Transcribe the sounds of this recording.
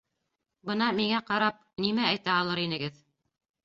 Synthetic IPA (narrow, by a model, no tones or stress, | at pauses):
bɤnɑmiŋæqɑɾɑp̚nimæːjt̪æɑlˠɤɾinɘ̆ɡɘð